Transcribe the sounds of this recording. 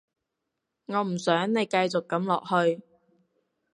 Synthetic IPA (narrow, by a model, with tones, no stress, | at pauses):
ŋɔː˨˧m̩˨˩sœː˨˥ŋne˨˧jkɐ˧jt͡sʊ˨kːɐ˨˥mlɔ̰ː˨k̚hɵ˧ɥ